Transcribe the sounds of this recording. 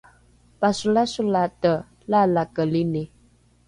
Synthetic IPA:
pasulasulatə | lalakəline

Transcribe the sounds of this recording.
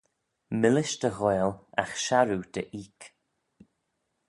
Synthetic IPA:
mɪlɪʃd̪əɣɔjla̰xʃaɾud̪̥əʔiːk

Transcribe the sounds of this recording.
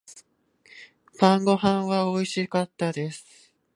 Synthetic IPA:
pãŋɡo̞ɦãɰ̃βaoiɕikat̪ːad̪e̞sɨ̥

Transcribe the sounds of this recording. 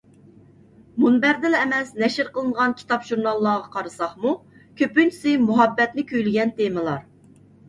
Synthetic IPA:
munbɛɾd̪ɪlɛmɛsnɛʃɪɾqəlˠɨnəʁɑnkʲʰi̥t̪ʰɑpʒ̥uɾnɑlˠːɑːʁɑqʰɑɾɨsɑχmu | kʲʰøpynt͡ʃʰi̥sɪmuɦɑbːɛt̪nɪkʲʰøjlɪɡʲɛnt̪emɨlˠɑɾ

